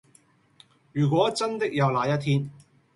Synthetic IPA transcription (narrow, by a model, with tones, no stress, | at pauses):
jyː˨˩kʷɔː˨˥t͡sɐ˥nt̪ɪ˥k̚jɐ˨˧wlaː˨˧jɐ˥t̪ʰiː˥n